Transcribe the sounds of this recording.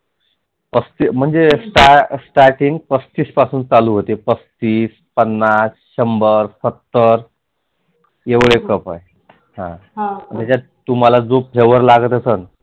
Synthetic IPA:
pəst̪im̤əɳd͡zesʈasʈaɾʈiŋɡpəst̪iːspasuːnt͡saluːɦot̪epəst̪iːs | pənːas | ɕəmbəɾsət̪ːəɾ | eʋɭekəpa̰j | hã̰t̪at͡ɕa | t̪um̤alad͡zopʰeʋəɾlaɡət̪əsən

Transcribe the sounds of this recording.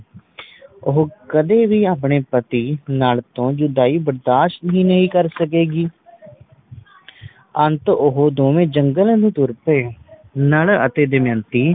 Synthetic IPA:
ʊɦokəd̪eːʋiːaːp̬ɳeːpət̪iːnaːlt̪õːd͡ʒʊd̪aːiːbəɾd̪aːʃt̪ɦĩːnəĩːkəɾsəkeːɡiː | ənt̪ʊɦod̪oːmẽːd͡ʒəŋɡələ̃d̪iːt̪ʊɾpeːnələ̰t̪eːd̪ɪmjə̃nt̪iː

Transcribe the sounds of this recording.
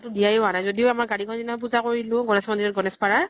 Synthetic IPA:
tʊdijajʊanajzodiʊamaɹɡaɹikʰɔndinap̬uzakoɹilʊ̃ɡɔnɛsmɔndiɛt̚ɡɔnɛspaɹa

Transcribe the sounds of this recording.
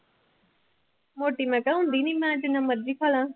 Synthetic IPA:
moːʈimɛ̃kaɦũnd̪inĩmãʈɪnãməɾd͡ʒiːkʰaːlãː

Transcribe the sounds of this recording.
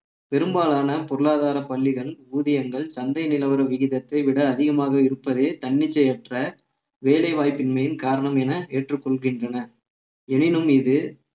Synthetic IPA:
pɛɾɯmbaːlaːnɐpɔɾɯɭaːðaːɾɐpɐɭːɪɣɐɭuːðɪjɐŋɡɐɭsɐnd̪ɐɪnɪlɐʋɐɾɐʋɪɣɪðɐt̪ːɐɪʋɪɽɐːðɪɣɐmaːɣɐɪɾɯpːɐðeːt̪ɐɳːɪt͡ʃːɐjɛʈrɐ | ʋeːlɐɪʋaːjpːɪnmɐjɪnkaːɾɐɳɐmɛnɐeːʈrɯkːɔɭɣɪndrɐnɐ | ɛnɪnɯmɪðɯ

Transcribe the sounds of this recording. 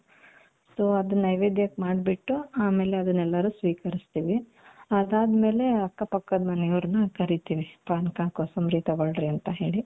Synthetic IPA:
soːɐd̪ɐnːɐjʋed̪jɐkmaːɖbiʈːuaːme̞ːleɐd̪ɐnːɛlːɐɾusʋiːkɐɾist̪iːʋi | ɐd̪aːd̪me̞ːle̞ɐkːɐpɐkːɐd̪mɐnɛjɐʋɾɐnɐkɐɾit̪iːʋipaːnkakoːsɐmɾiːt̪ɐʋɐɭɖɾiɐnt̪ɐɦe̞ːɭi

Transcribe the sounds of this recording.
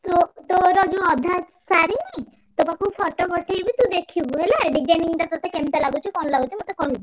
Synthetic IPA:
t̪ot̪oɾɔd͡ʒuɔd̪ʱa | saɾini | t̪okakupʰɔʈopɔʈʰejbit̪ũd̪ekʰibuɦeleaɾɖid͡ʒajniŋt̪at̪ɔt̪ekemt̪alaɡut͡ʃʰɔkɔnɔlaɡut͡ʃʰimot̪ekɔɽub

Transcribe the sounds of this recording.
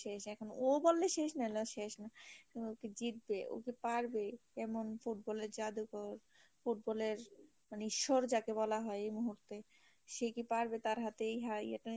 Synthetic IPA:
ʃeʃɛkʰonobolːeʃeʃneloʃeʃnakooked͡ʑit̪̚beʔo̰kepaɾbekɛmonfuʈ̚bɔleɾd͡ʑad̪ukoɾ | fuʈ̚bɔleɾ | maniʃːoɾd͡ʑakebɔlaɦɔeejmuɦuɾt̪e | ʃekipaɾbet̪aɾɦat̪eejɦaj̰ɛ̰ʈa

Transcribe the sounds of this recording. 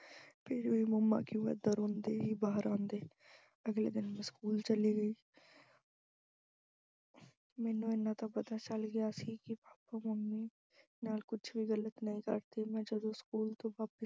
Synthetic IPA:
pʰɪɾoiməmːa̰ːkjũːɛ̰d̪əɾoːnd̪eːɦiːbaːɦəɾãːnd̪eː | əɡlḛːd̪ɪnmɛ̃ːskuːlt͡ʃəliːɡəiː | mɛ̃ːnũːenãːt̪ãpət̪aːt͡ʃəlɡɪjaːsiːkɪpaːpaməmi | naːlkʊt͡ʃʰbʱiːɣələt̪nəĩkə̰ɾt̪imɛ̃ːd͡ʒəd̪õskuːlt̪õːʋaːpə

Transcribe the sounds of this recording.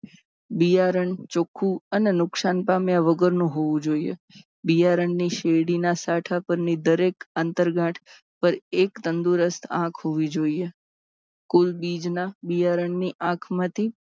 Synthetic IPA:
bijaɾəɳt͡ʃokʰːuənenʊksanpamjaʋəɡəɾnũɦoʋũd͡ʒoijḛ | bijaɾəɳniʃeɽinasaʈʰapəɾnid̪əɾekənt̪əɾɡãʈʰ | pəɾekt̪ənd̪uɾəst̪ʰã̰kʰhoʋid͡ʒoije | kulbid͡ʒnabijaɾəɳniʔãkʰmãt̪ʰi

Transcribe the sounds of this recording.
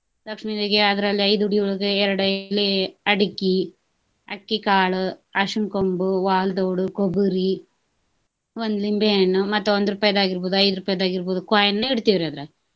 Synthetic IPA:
lɐkʂmiːd̪eɡeɐd̪ɾɐlːiɐjd̪uɽiuɭɐɡeɛɾɐɽɐlːiɐɽikːi | ɐ̰kːikaːɭuɐʂunkombuʋaːld̪oːɽukobuɾi | ond̪ulimbeɐɳːumɐt̪ːuond̪uɾupaːjɐd̪aːɡiɾboːd̪uɐjd̪ɾupaːjɐd̪aːɡiɾboːd̪ukaːjɐnːeiɽt̪iʋiɾɐd̪ɾe

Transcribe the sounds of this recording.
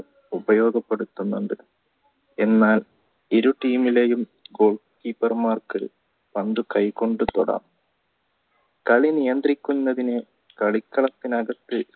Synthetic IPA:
ubɐjo̞ːɡɐpːe̞ɽut̪ːunːuɳɖɨ | e̞nːaːl | iɾuʈiːmilejum | ɡo̞ːɭkiːpːɐrmaːrkɨ | pɐnd̪ukɐjko̞ɳɖɨt̪oɽɐ̰m | kɐɭinijɐnd̪rikʲːunːɐðinɨ | kɐɭikːɐɭɐt̪ːinɐɡɐt̪ːɨ

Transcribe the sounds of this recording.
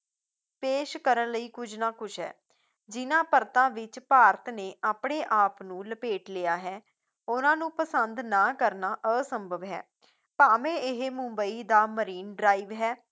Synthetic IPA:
peːʃkəɾənləiːkʊd͡ʒnãːkʊʃʰɦɛ̰ː | d͡ʒɪnãːpəɾt̪ãːʋɪt͡ʃpaːɾət̪neːʔaːpɳeːʔaːpnũːləpeːʈleːaːɦɛː | ʊnãːnũːpəsənd̪naːkəɾnaːʔəːsəmbʱəʋɦɛ̰ː | paːmẽːɪɦmʊ̃mbəiːd̪aːməɾiːnɖɾaːiːʋɦɛː

